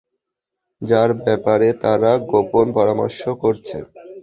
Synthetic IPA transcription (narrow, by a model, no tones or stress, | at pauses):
d͡ʑaɾbɛpaɾet̪aɾaɡoponpɔɾamo̰ɾʃokoɾt͡ɕʰḛ